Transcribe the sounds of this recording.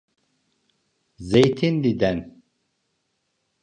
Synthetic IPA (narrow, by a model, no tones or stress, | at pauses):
zejt̪ʰinlid̪ɛn